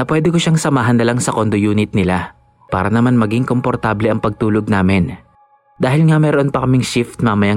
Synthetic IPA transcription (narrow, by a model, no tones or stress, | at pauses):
nɐpwɛːd̪ɛkoʃaŋsɐmaːɦɐnːɐlaŋsɐkond̪ojuːnɪt̪̚nɪla | pa̰ːɾɐnɐmanmɐɡiŋko̞mpoɾt̪aːblɛʔɐŋpɐɡ̚t̪uːloɡ̚naːmɪn | d̪aːhɪlŋɐmɛːɾoʔonpɐkɐmɪŋʃɪft̪̚mamɐja